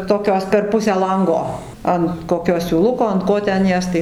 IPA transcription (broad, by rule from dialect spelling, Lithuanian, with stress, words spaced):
toːˈkʲoːs pʲɛr ˈpʊsʲæː ˈlˠɐŋɡoː ˈɐnt koːˈkʲoː sʲuːˈlˠʊkoː ɐnt ˈkoː ˈtʲɛn ˈjæːs tɐɪ